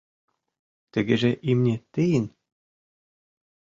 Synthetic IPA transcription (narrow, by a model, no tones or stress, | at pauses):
t̪ɘ̆ɡʲɘ̆ʒĕʔimnʲet̪ɘ̆jɘn